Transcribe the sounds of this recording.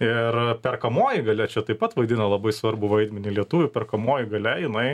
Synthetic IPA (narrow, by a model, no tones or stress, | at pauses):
ɪrpʲɛrkɐmoːjɪɡɐlʲɛt͡ʃʲɛt̪ɐɪpɐt̪ʋɐɪd̪ʲɪnɐlˠɐbɐɪsʋɐrbʊʋɐɪd̪ʲmʲɛnʲɪlʲiɛt̪ʊʋʲʊpʲɛrkɐmoːjɪɡɐlʲɛjɪnɐɪ